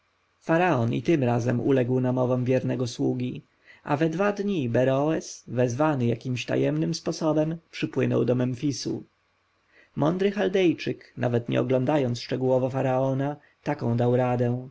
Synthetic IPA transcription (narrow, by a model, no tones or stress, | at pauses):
faɾaɔnḭt̪ɘmɾazɛmṵlɛɡwnamɔvɔmvʲjɛɾnɛɡɔswuɡʲi | ʔa̰vɛd̪vad̪ɲibɛɾɔwɛsvɛzvanɘjakʲimɕt̪a̰jɛmnɘmspɔsɔbɛmpʂɘpwɘnɔ̰wd̪ɔmɛnfʲisṵ | mʔɔnd̪ɾɘxald̪ɛjt͡ʂɘkna̰vɛt̪ɲɛ̰ɔɡlɔnd̪ajɔnt̪sʂt͡ʂɛɡuwɔvɔfaɾaɔna | t̪akɔ̃w̃d̪awɾad̪ɛ̃